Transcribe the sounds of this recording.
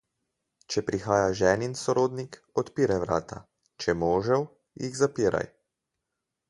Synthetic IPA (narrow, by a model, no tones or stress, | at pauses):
t͡ʃɛpɾixaːjaʒɛːninsɔɾoːd̪nikɔt̪piːɾajʋɾa̰ːt̪a̰ | t͡ʃɛmoːʒɛw | jḭɣzapiːɾʔa̰j